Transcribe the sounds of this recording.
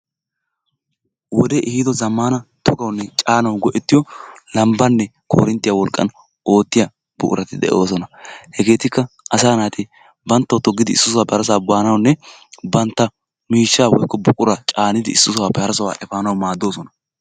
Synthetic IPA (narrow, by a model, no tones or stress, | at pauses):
wɔd̪ɛʔɪhɪd̪ɔzɐmːanɐt̪ʰɔɡɐwnːɛt͡ʃʼaːnɐwɡɔʔɛt̪ːɪjɔlɐmbɐnːɛkʰo̰ːɾɪnt̪ːɪjawɔlkʼːɐ̰n | o̞ːt̪ːɪjɐ | bʊ̰kʼʊ̰ɾɐt̪ɪd̪ɛ̰ʔo̞ːs̬ɔnɐhɛɡe̞ːt̪ɪkːɐʔɐsaːnaːt̪ɪ | bɐnt̪ːɐwt̪ɔɡːɪd̪ɪːsːʊs̬waːpɛhɐɾɐs̬aːbaːnɐwnːɛbɐnt̪ːɐ | miːʃːaːwɔ̰jkːɔbʊkʼʊɾat͡ʃʼaːnɪd̪ɪɪsːʊsʊwaːpɛhɐɾɐsɐwa̰ːʔɛfaːnɐwmaːd̪ːo̞ːsɔnɐ